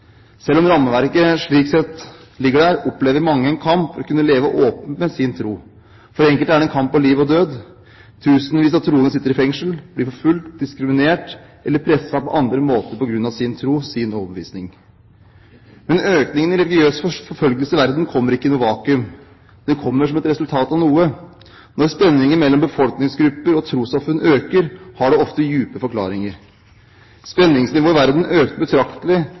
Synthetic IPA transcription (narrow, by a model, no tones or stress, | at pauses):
sɛlːɔmɾɑmːəʋæɾkəʂɭiːksɛt̪ | lɪɡːəɖæɾɔpleːʋəmɑŋːəɛnkʰɑmpfɔɾɔkʉnːəleːʋəʔoːpənt̪mɛsɪnt̪ʰɾuː | fɔɾɛŋkəlt̪æɖɛnkʰɑmpːɔliːʋɔd̪øːd̪ | t̪ʰʉːsənʋiːs̬ɑt̪ʰːɾuːənəsɪt̪ːəɾɪfɛŋʂəlbliːɾfɔɾfʉlt̪̚d̪ɪskɾɪmɪneːʈ | ʔɛlːəɾpʰɾɛsːɑpɔʔɑnd̪ɾəmoːt̪əɾpɔɡɾʉnːɑʋsɪnt̪ʰɾuːsɪnɔːbəʋḭːsnɪŋ | mɛnøːknɪŋənɪɾɛlɪɡɪøːsfɔɾfœlɡəlsəɪʋæɾd̪n̩kʰɔmːəɾɪkːənʊʋɑːkʉm | d̪̥ɛkʰɔmːəʂɔmɛt̪ɾɛsʉlt̪ʰɑːt̪ɑʋnuːə | nɔɾspɛnːɪŋənmɛlːɔmbəfɔlknɪŋsɡɾʉpːəɾɔt̪ʰɾuːsɑfʉnːøːkəɾhɑɖɛɔft̪əjʉːpəfɔɾklɑ̰ːɾɪŋəɾ | spɛnːɪŋsnɪʋoːɪʋæɾd̪n̩øːk̚t̪əbət̪ʰɾɑkt̪əlɪ